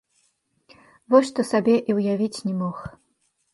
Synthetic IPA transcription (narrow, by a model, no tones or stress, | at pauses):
vɔʂʂt̪ɔsabʲɛʔiwjavʲit͡sʲnʲɛmɔx